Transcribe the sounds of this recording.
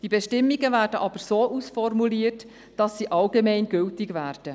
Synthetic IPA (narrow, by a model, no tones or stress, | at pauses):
d̥ibɛʃtɪmːiɡəvæːrdəʔɑb̥əɾsoːʔusfɔrmuliərt | d̥ɑsːiʔɑlɡemɛɪnɡʏltɪɡvæːrd̥ə